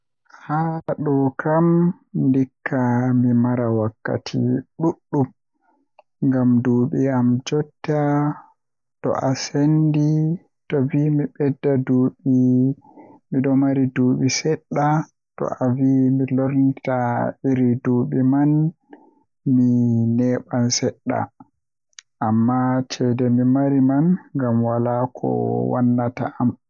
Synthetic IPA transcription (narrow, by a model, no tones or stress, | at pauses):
haɗɔkʰam | ndikʰːamimaɾawakːa̰tʰḭɗuɗːum | ŋɡamduːɓiamd͡ʒɔtːa | tɔ̰ʔasendi | tɔvimiɓɛdːaduɓi | miɗɔmaɾiduːɓisɛɗːa | tɔ̰ʔavimilɔɾnitaiɾiduːɓiman | minɛːɓansɛɗːa̰ | ʔamːat͡ʃɛdɛmimaɾimanŋɡamwalakʰɔ̰wa̰nːata̰ʔam